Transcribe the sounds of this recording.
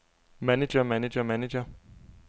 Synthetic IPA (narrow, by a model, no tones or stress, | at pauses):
mæned͡ʒɐmæned͡ʒɐmæned͡ʒɐ